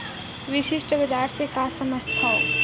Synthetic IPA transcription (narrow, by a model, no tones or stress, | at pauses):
ʋɪʃɪʃʈəbɐd͡ʒaːɾsekasɐməst̪ʰao